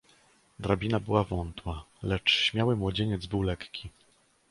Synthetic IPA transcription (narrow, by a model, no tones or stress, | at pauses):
d̪ɾabʲinabɘwavɔnt̪walɛt͡ʂɕmʲjawɘmwɔd͡ʑeɲɛd̪zbɘwlɛkkʲi